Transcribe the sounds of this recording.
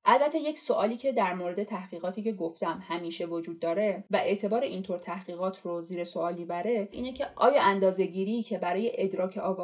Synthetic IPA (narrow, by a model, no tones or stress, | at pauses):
ʔælbæt̪ʰːeje̞cso̞ʔɒːliːcʰe̞d̪æɾmoɾe̞d̪e̞t̪ʰæhɢ̥iːɣɒːt̪ʰiːce̞ɡoft̪æmhæmiːʃe̞vod͡ʒuːd̪̚ːɒːɾe̞væʔe̞ʔt̪ʰe̞bɒːɾe̞ʔint̪ʰoɾt̪ʰæhɢiːɣɒːt̪ʰroziːɾe̞so̞ɒːlmiːbæɾe̞ʔḭːne̞cʰe̞ʔɒ̰ːjɒːʔænd̪ɒːze̞ɟiːɾiːcʰe̞bæɾɒːje̞ʔed̪ɾɒːcʰeʔɒːɡɒː